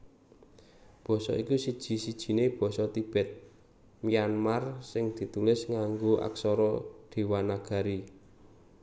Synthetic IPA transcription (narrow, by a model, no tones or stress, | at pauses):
b̥ɔ̤sɔ̰ikusid̥ʒ̥i̤sid̥ʒ̥i̤neb̥ɔ̤sɔt̪ib̥ɛ̤t̪̚ | mianmarsɪŋd̪̥i̤t̪ulɪsŋaŋɡoʔa̰ksɔɾɔɖ̪̥e̤wanaɡ̥a̤ɾi